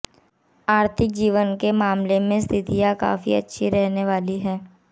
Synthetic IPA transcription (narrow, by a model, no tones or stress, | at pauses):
aːɾt̪ʰɪk̚d͡ʒiːʋənkemaːmlemẽst̪ʰɪt̪ijaka̰ːfḭɐ̰tːʃʰiɾɛɦneʋaːliɦɛː